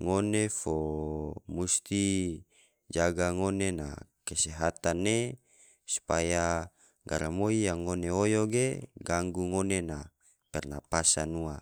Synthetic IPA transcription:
ŋonefo | must̪i | d͡ʒaɡaŋonena̰keseɦat̪anːe | su̥paja | ɡa̰ɾamoijaŋːoneojoɡeɡaŋɡuŋonena | pɛrna̰pasanua

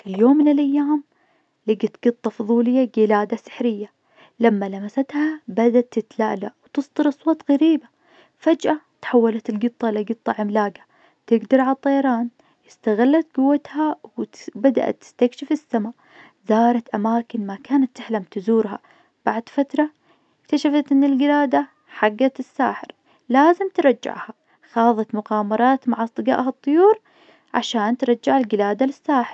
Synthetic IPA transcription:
fijoːmːɪnɪlʔajːaːm | lɪɡat̪ɡ̥ɨt̪ˤːɑfʊðˤuːlɪjːaɡɪlaːd̪asɪ̥ħɾɪjːa | lamːalamasat̪habad̪at̪ːɪt̪laːʔlawt̪ɨsˤd̪ˤɨɾʔɑsˤwɑːt̪ˤɣaɾiːba | fad͡ʒʔat̪ħawːalat̪ɪlɡɨt̪ˤːɑlaɡɨt̪ˤːɑʕɪmlaːɡa | t̪ɪɡd̪ɑɾˤʕalɑt̪ˤːɑjɑɾˤɑːn | jɪst̪aɣalːat̪̚ɡʊwːat̪hawbad̪a̰ʔa̰t̪ːɪ̥st̪akʃɪfɪsːama | zɑːɾˤɑt̪ʔamaːkɪnmakaːnat̪ːɪħlamt̪ɪzuːɾha̰ | b̥aʕd̪fat̪ɾˤɑ | ɪkt̪aʃafat̪ʔɪnːɪlɡɪlaːd̪a | ħaɡːat̪ɪsːa̰ːħɪ̰ɾ | laːzɪmt̪ɾˤɑd͡ʒːɪ̰ʕha | xɑːðˤɑt̪mʊqɑːmɑɾˤɑːt̪maʕʔɑsˤt̪ˤɨɡa̰ːʔhɑt̪ˤːʊjuːɾ | ʕa̰ʃaːnt̪ɾˤɑd͡ʒːɪʕalɡɪlaːd̪alɪsːaːħɪɾ

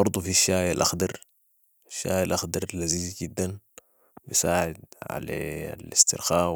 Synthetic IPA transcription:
ɑɾˤd̪ˤufiʃːaːjalʔɑxd̪ɑɾ | aʃːa̰ːjalʔɑxd̪ɑɾˤlaziːziɡid̪ːan | bisaːʕɪd̪ʕa̰la̰lɪst̪ɪɾxaː

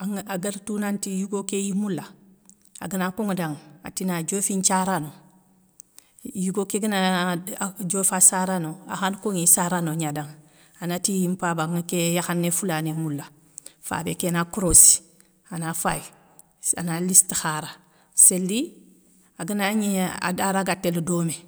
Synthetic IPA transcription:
aŋaɡəɾtunantijuɡokejimulːa | a̰ɡənakoŋdaŋa̰tinad͡ʒofint͡ʃaɾano | juɡokeɡəna | d͡ʒofasaɾanoa̰xankoŋisaɾanoɲadaŋ | anatijimpabaɡŋkejaxanːefulanemulːa | fa̰ːbekenakɾosi̥ | anafaji | a̰nalistixaɾa | selːi | aɡənaɲea̰daɾaɡatːeldome

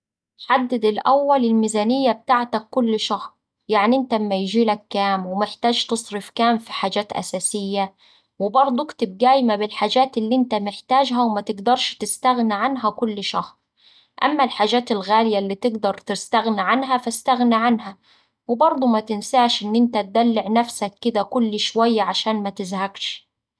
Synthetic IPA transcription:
ħad̪ːɪd̪ɪlʔa̰wːalɪlmiːzaːnɪjːab̚t̪aʕt̪akːʊlːʃɑhɾˤ | jaʕniʔɪnt̪amːajʒiːlakːaːmwɪmɪħt̪aːʒt̪ɨsˤɾɪfkaːmfi̥ħaːd͡ʒaːt̪ʔa̰saːsɪjːa | wɪbɑɾˤd̪ˤukt̪ɪb̚ɡ̪aːjmabɪlħaːd͡ʒaːt̪ɪlːiːʔɪnt̪amɪħt̪aːd͡ʒɦawmat̪ɪɡd̪ɑɾˤʃt̪ɪst̪aɣniʕanɦakʊlːʃɑhɾˤ | ʔa̰mːalħaːd͡ʒaːt̪ɪlɣaːlɪjalːiːt̪ɪɡd̪ɑɾˤt̪ɪst̪aɣniʕanɦafast̪aɣniʕanɦa | wɪbɑɾˤd̪ˤumat̪ɪnsaːʃʔɪnːʔɪnt̪at̪̚d̪alːɪʕnafsakːɪd̪ækʊlːʃwajːaʕaʃaːnmæt̪ɪzhaɡʃ

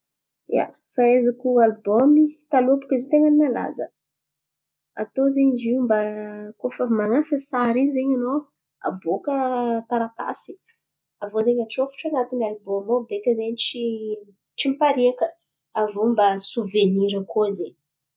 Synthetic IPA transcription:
a̰ | faezakʲualbomit̪alupu̥kʲizet̪eŋaninala̰zə̰ | a̰t̪ozeɲd͡ʒimbakofəmaŋasəsaɾinzeɲano | a̰bokət̪aɾat̪a̰si̥ | avozeɲaʈ͡ʂofu̥ʈ͡ʂanat̪inalbomobekʲəzeɲit͡ʃi | ʈ͡ʂimpaɾiakə | avombasuveniɾəkozeɲ

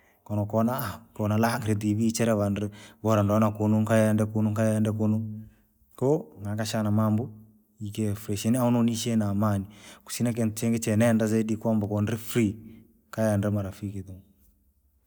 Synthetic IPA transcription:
kɔnɔkɔnakɔnalaŋɡɾid̪iβit͡ʃɛɾɛβandɛβɔɾandɔnakunuŋkajɛɛndɛkunuŋkajɛndɛkunu | kɔŋakaʃanamambɔ | ikɛfɾiʃɛniaunoniʃɛnamaniku̥sinak̬ɛnt͡ʃɛŋɡɛt͡ʃɛnɛndazedikambakɔnɾifɾi | kajandɛmaɾafikiðuŋ

